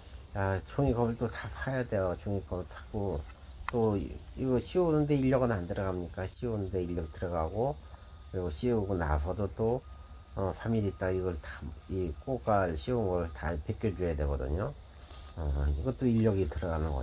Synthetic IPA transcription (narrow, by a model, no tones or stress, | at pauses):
jat͡ɕoŋikʌbɯɭt͈otapʰajade̞jot͡ɕoŋikʰʌbɭpʰḁk͈o | t͈oiɡʌɕʰionɯnde̞iʎːʌɡɯnandɯɾʌɡamɲik͈aɕʰionɯnde̞iʎːʌɡitɯɾʌɡaɡo | kɯɾiɡoɕʰioɡona̰sʰʌdot͈o | ʌpʰamiɾit͈̚aɡiɡʌɭtḁik͈okaɭɕʰiounɡʌsɯɭta̰pek͈jʌd͡ʑuejadwe̞ɡʌ̰dɯ̰ɲo | ʌiɡʌt͈oiʎːʌɡitɯɾʌɡanɯnɡʌ̰